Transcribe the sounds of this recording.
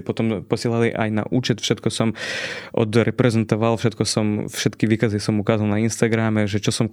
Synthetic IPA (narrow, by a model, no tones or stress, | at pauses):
pɔt̪ɔmpɔsɪɛlaliʔa̰jna̰ʔuːt͡ʃɛt̪fʃɛt̪kɔsɔmʔɔ̰d̪ɾɛpɾɛzɛnt̪ɔʋalˠfʃɛt̪̚kɔsɔmfʃɛt̪kiʋiːkazisɔmukaːzalnainst̪aɡɾamɛʒɛt͡ʃɔsɔm